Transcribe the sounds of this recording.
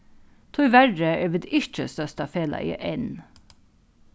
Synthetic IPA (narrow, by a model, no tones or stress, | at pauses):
t̪ʰʊʏʋæɖəʔeːʋɪd̪ɪt͡ʃəst̪œst̪ɑfeːlɑ̰ḭːʔɛn